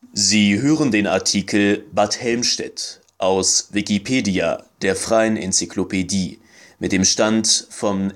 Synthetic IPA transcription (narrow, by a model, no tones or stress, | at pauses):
ziːɦøːʁəndeːna̰ɐtʰiːkʰl̩bathɛlmʃtɛ̰t | ʔaʊsvikipʰeːdia̰d̥eːɐfʁ̥aɪənʔɛ̰nt͡siklopediː | mɪt̚d̥eːmʃtantfɔn